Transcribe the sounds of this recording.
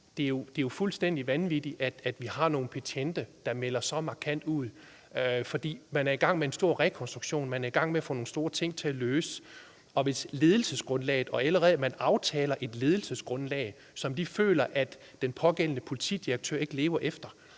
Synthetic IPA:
d̥e̝jo̝d̥ejo̝fulsd̥en̰d̥iʋænʋid̥iʔæd̥æd̥ʋihɑ̈no̝ːn̩pʰæt͡sʰend̥ɐd̥ɑ̈melɐsɒ̽mɑ̈kʰæn̰d̥uð̰ˠ | fɒ̽d̥ḭːmænæɐiɡ̥ɑ̈ŋ̰mee̝nsd̥o̝ɐ̰ʁɛkʰɒ̽nsd̥ʁuɡ̥ɕo̝̰ːnmænæɐiɡ̥ɑ̈ŋ̰meæfɔ̰no̝ːn̩sd̥o̝ːɐt͡sʰe̝ŋ̰t͡sʰe̝æløːsə̥ | ɒ̽ʋe̝sle̝ːð̞ˠl̩səsɡ̥ʁɔ̽nlɛ̰ːɪð̩ˠɒ̽æləʁɛð̩ˠmænɑ̈ʊt͡sʰɛːlɐʔe̝d̥le̝ːð̞ˠl̩səsɡ̥ʁɔ̽nlɛ̰ːɪ | sɒ̽md̥ifø̰ːlɐʔæd̥ːenpʰɒ̽ɡ̥en̰nəpʰo̝lit͡sʰḭːd̥iɐɡ̥̚t͡sʰø̰ːɐe̝ɡ̥əle̝ːʊɐʔefd̥ɐ

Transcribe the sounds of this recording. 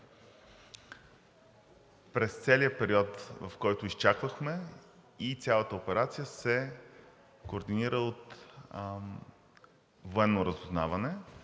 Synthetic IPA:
pɾɛst̪sɛliəpɛɾiɔt̪vɐfkɔjt̪ʊist͡ʃakvəxmɛ | it̪sʲjalˠət̪əopɛɾat̪sijəsɛ | koːɾd̪iniɾəot̪ | voɛnːoɾəzʊzna̰vɐnɛ

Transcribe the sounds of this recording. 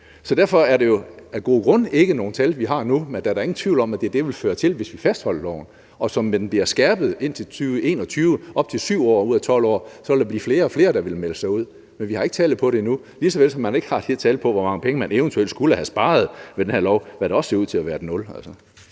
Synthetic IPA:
sɒ̽d̥æɐ̰fɒ̽æɐɾe̝jo̝æɐɡ̥o̝̰ːɡ̥ʁɔ̽n̰e̝ɡ̥əno̝ːn̩t͡sʰælʋiɦɑ̈numend̥æɐɾ̥ɑ̈e̝ŋn̩t͡sʰʋḭʊlɒ̽mæd̥e̝d̥e̝ʋe̝lføːɐt͡sʰe̝lʋe̝sʋifæsd̥hɒ̽l̰ɐlɒʊn̩ | ɒ̽sɒ̽mːed̥n̩b̥liɐsɡ̥æɐb̥ð̩ˠe̝n̰t͡sʰe̝lt͡sʰyːʊʋəe̝̰ːnɒ̽t͡sʰyːʊəʔɒ̽b̥̚t͡sʰe̝lsyʊ̰ɒ̰ːuð̰ˠæt͡sʰɒ̽l̰ɒ̰ːsɒ̽ʋeld̥ɑ̈bliːfle̝ːɐɒ̽fle̝ːɐd̥ɑ̈ʋe̝lmeləsɑ̈ɪuð̞̰ˠ | menʋihɑ̈e̝ɡ̥ət͡sʰɛ̰ːlð̩ˠpʰɒ̽ɾe̝inu | lisɒ̽ʋelsɒ̽mːæne̝ɡ̥ə̥hɑ̈d̥eeɐt͡sʰɛːl̥̩ˠpʰɒ̽ʋɒmɑ̈ŋəpʰeŋəmæneʊnt͡sʰuel̰dsɡ̥uləhæsb̥ɑ̈ːð̞̩ˠʋed̥enhæɐ̰lɒʊʋæɾeɒ̽sse̝ɐuð̰ˠt͡sʰe̝læʋæːɐd̥enɔ̽lælsɒ

